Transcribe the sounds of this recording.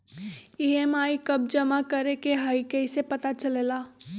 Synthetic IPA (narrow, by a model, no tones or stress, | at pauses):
iemaːikɐb̚d͡ʒəmakəɾekeɦaːikɛɪsepɐt̪at͡ʃəleːlaː